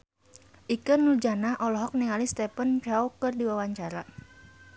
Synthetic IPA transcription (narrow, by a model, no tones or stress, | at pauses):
ʔikənuld͡ʒanaʔɔlɔɦɔk̚niŋalist̪ɛpənt͡ʃawkɨrdiwawaɲt͡ʃaɾa